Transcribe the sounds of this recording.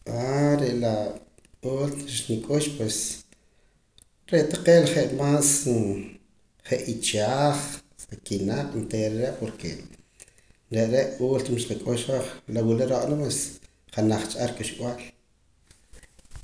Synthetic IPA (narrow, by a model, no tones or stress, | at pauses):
ʔaɾeʔla | uːlt̪ʃnikʼuʃpwes | ɾeʔt̪aqeːlχeʔmaːs | χeʔit͡ʃaːχakinaqʼnt̪eːɾeɾeʔpoɾke | ɾeʔɾeʔuːlt̪mʃqikʼuʃwaχlawileɾoʔʼnapwes | χanaχt͡ʃʼaɾkʼuʃɓw̰al